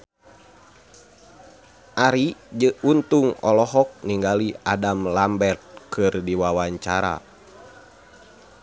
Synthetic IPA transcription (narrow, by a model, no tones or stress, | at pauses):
ʔaɾid͡ʒəunt̪uŋɔlɔɦɔk̚niŋɡaliadamlambɛrt̪̚kʰɨrdiwawaɲt͡ʃaɾa̰